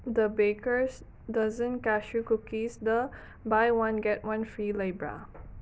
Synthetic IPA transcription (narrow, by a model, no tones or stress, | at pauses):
dəbekəs | dazə̃nkɛʃjukukisdə | bajwãnɡɛt̚wãnfɹilebɹa̰